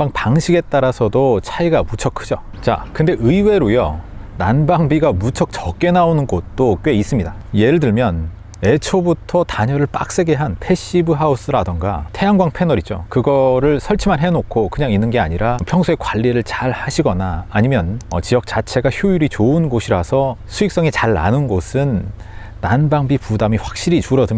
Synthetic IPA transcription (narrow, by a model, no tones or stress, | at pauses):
paŋpaŋɕʰiɡe̞t͈aɾasʰʌdot͡ɕʰaiɡamut͡ɕʰʌkʰɯ̥d͡ʑo | t͡ɕa̰kɯnde̞ʔɯiwe̞ɾojʌnanbaŋbiɡamut͡ɕʰʌk̚t͡ɕʌk͈e̞naonɯnɡot̚t͈ok͈ɥe̞is͈ɯmɲidaje̞ɾɯɭtɯɭmjʌn | e̞t͡ɕʰobutʰʌtaɲʌɾɯɭp͈a̰k̚s͈e̞ɡe̞ɦanpʰe̞ɕ͈ibɯɦaus͈ɯɾadʌŋɡa̰tʰe̞aŋɡwaŋpʰe̞nʌɾit͡ɕ͈o̰kɯɡʌɾɯɭsʰʌɭt͡ɕʰimanɦenokʰokɯɲaŋinːɯnɡe̞aɲiɾapʰjʌŋsʰue̞kwaʎːiɾɯɭt͡ɕaɭhaɕʰiɡʌnaːɲimjʌnʌ̰t͡ɕijʌk̚t͡ɕ͈at͡ɕʰe̞ɡaçjujuɾit͡ɕoɯnɡoɕʰiɾasʰʌsʰuik̚s͈ʌŋit͡ɕaɭːa̰nɯnɡosʰɯnː | anbaŋbipudamiɸwak̚ɕ͈iɾit͡ɕuɾʌdɯm